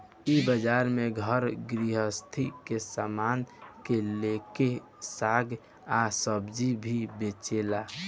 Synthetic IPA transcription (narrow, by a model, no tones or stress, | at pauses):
ibəd͡ʒaːɾmẽɡʱəɾɡɾiɦəst̪ʰikesamaːnkeleke | saːɡ | asəbd͡ʒibʱibet͡ʃela